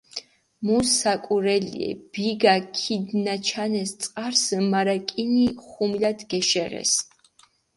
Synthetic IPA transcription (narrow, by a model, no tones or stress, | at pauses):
musakʼuɾɛlḭɛ̰b̥iɡakʰid̪nat͡ʃʰanɛst̪sʼqʼaɾsmaɾakʼiniχumlad̪ɡɛʃɛʁɛ̰s